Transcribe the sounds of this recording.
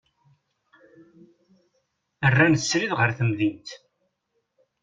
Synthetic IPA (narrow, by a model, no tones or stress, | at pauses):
ərːænθəsɾiðʁəɾθəmðint̪